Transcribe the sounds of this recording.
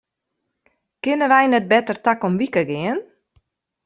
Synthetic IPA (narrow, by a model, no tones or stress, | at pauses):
kɪnəʋɛjnɛt̚bɛtərtakomʋikəɡɪən